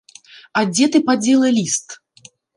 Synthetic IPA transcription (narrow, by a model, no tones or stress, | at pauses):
ad͡zʲɛt̪ɨpad͡zʲɛlˠɐlʲist̪